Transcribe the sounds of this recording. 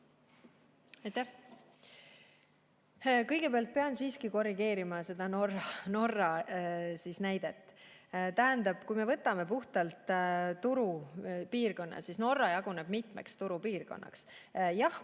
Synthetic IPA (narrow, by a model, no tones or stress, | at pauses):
ɑjt̪æh | kɤjɡ̥e̞peɑlt̪̚pe̞ɑnsiːskiko̞riɡ̥e̞ːɾimɑse̞d̪̥ɑnorɑno̞rːɑsisnæjd̪̥e̞t̪ːˑ | t̪æɦænd̪ɑb̥kujme̞vɤt̪ːˑɑme̞puht̪ɑlt̪ˑt̪ːuɾupiːrko̞nːɑ̰sisno̞rːɑjɑɡ̥uneb̥mit̪ˑmḛkst̪uɾupiːrɡo̞̰nːɑ̰ksjɑh